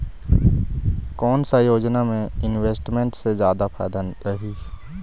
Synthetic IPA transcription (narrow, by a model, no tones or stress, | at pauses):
kɔːnsajoːd͡ʒnamẽɪnweːsʈmẽɳʈsezjaːd̪apʰa̰ːd̪anɾəɦiː